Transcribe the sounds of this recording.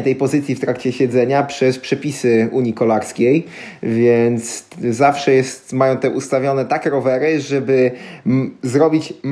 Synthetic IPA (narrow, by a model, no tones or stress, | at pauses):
t̪ɛjpɔzɘt̪sʲjift̪ɾakt͡ɕɛɕɛd̪zɛɲapʂɛspʂɛpʲisɘuɲikɔlaɾskʲejvʲjɛnt̪szafʂɛjɛst̪majɔ̃w̃t̪ɛʔust̪avʲjɔnɛt̪akɾɔvɛɾɘʐɛbɘ | zɾɔbʲit͡ɕm